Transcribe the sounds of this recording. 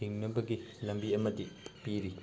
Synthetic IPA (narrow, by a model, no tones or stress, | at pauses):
iŋnɐbɐɡilɐmbiɐmɐdipiɾi